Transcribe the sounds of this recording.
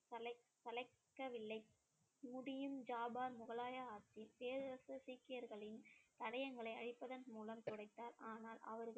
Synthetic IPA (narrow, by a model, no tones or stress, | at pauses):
sɐlɐ | sɐlɐɪkkːɐʋɪlːɐɪ | mʊɽɪjɯmd͡ʒaːbaːɾmʊɣɐlaːjɐaːt͡ʃːɪpeːɾɯɾɐsɯsiːkːɪjɐɾɣɐɭɪnt̪ɐɽɐjɐŋɡɐɭɐɪɐɻɪpːɐðɐnmuːlɐmt̪ɔɽɐɪt̪ːaːɾaːnaːlʔɐ̰ʋɐɾɣɐ